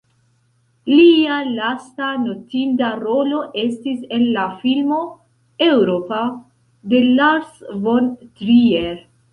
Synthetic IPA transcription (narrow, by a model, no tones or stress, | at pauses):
lialastano̞tintaɾo̞lo̞ʔe̞stise̞nlafilmo̞ | e̞wɾopa | de̞lasvontɾieɾ